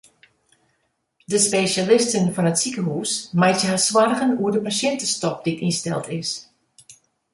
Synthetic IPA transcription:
dəspeːʃalɪstənfɔnətsikəɦuːsmajtjəɦaswarɣənuədəpasɛntəstɔp̚d̥itinstɛ̰lˠtʰɪs

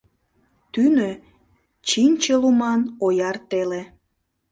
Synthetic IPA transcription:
t̪ynø | t͡ɕinʲt͡ɕelumɑnojɑrt̪ele

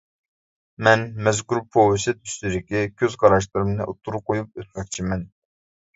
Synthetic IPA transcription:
mɛnmɛzkʲuɾpʰowɪsɨt̪ʰy̥st̪yɾɪkʲikʲʰøzqɑɾɑʃlˠɨɾɨmnɨʔot̪ʰːuɾuqʰojup̚øt̪̚mɛk̚ʲt͡ʃʰimɛn

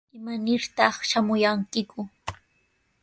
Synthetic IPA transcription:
ɪmanɪɾt̪ɑχʃamʊjaŋkɪkʊ

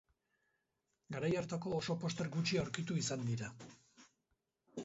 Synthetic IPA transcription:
ɡaɾajaɾt̪ako̞ːso̞po̞st̪e̞ɾɡut͡ʃiaowɾkit̪uisand̪iɾa

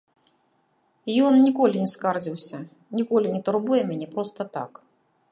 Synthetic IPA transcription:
jɔnnʲikɔlʲinʲɛskard͡zʲiwsʲɐ | nʲikɔlʲinʲɛt̪urbujɛmʲɛnʲɛpɾɔst̪ɐt̪a̰k

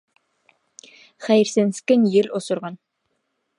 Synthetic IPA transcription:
χæjɾsenskʲenjɪlosʊɾʁɑn

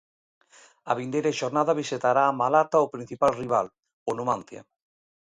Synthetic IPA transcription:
aβind̪ejɾaʃoɾnaðaβiset̪aɾaːmalat̪aopɾin̟θipalriβal | onumanθja̰

